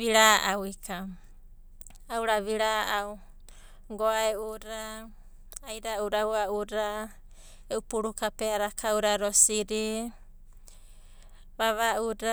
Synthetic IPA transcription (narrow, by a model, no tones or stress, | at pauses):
βiɾaʔawikʰa | awɾaβiɾaʔaw | ɡoaeuɾaː | jɾauɾawaʔuɾa | eupuɾukapeaɾakʰawɾaɾosiɾi | βaβaʔuɾa